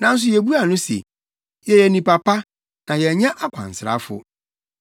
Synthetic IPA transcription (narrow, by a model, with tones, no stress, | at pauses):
nã˨˦n̩˦s̬ʊ˨˦jɛ˨bu˦a˨nʊ̃˦sḛ˨ | jɛ˨jɛ˨nĩ˨pa˨pa˦ | nã˨jɛ˨ɲã˦ʔa˦kʷʰã̰˨n˨sɾa̰˦fʊ̰˦